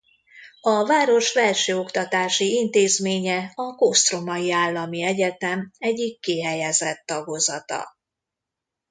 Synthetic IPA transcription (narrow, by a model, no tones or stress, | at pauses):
ɒvaːɾo̞ʃvɛlʃøːo̞kt̪ɒt̪aːʃiint̪eːzmeːɲɛɒkost̪ro̞mɒjiaːlːɒmiɛɟɛt̪ɛmɛɟːikːiɦɛjɛzɛt̪ːɒɡo̞zɒt̪ɒ̰